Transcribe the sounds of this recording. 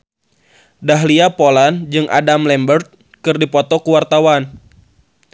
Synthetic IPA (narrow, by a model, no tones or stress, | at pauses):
daɦliapoland͡ʒɨŋʔa̰damlɛmbərt̪̚ | kɨrdipɔt̪ɔkuwart̪awan